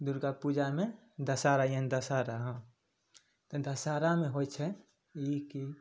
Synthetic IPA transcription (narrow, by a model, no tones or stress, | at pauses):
d̪uɾɡapud͡ʒame | d̪əsaɾajənd̪əsaɾaɦə̃ | t̪ɔd̪əsaɾameɦojt͡ʃʰɛ | iki